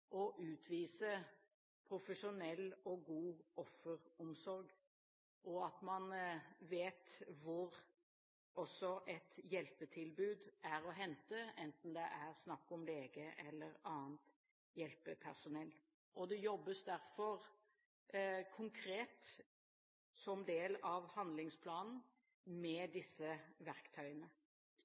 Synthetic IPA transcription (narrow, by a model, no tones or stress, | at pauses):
ʔɔʔʉːt̪ʰʋiːsə | pʰɾʊfəʂʊnɛlːɔɡuːʔɔfːəɾɔmsɔɾɡ | ʔɔɑt̪mɑnʋeːt̪ʋʊɾ | ɔsːɔʔɛt̪jɛlpət̪ʰɪlbʉːd̪æɾɔɦɛnt̪əɛnt̪n̩d̪ɛʔæɾsnɑkːɔmleːɡəʔɛlːəɾɑːnt̪ | jɛlpəpʰæɾsʊnɛlː | ʔɔd̪ɛjɔbːəsd̪æɾfɔɾ | kʰʊŋkʰɾeːt̪ | sɔmd̪eːlɑʋhɑnd̪lɪŋspʰlɑːnn̩ | mɛd̪ɪsːəʋæɾkt̪ʰœʏənə